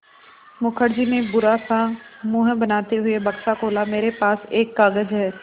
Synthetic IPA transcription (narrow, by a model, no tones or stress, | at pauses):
mʊkʰəɾd͡ʒinẽbʊɾasamʊːɦə̃bɐnaːt̪eɦʊebɐkʃakoːlameːɾepaːseːkːaːɡəd͡ʒɦɛː